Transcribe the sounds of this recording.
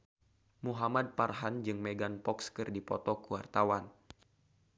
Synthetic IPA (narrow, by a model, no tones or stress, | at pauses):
muɦamad̚parɦand͡ʒɨŋmeɡanpɔkskɨrdipɔt̪ɔkuwart̪awan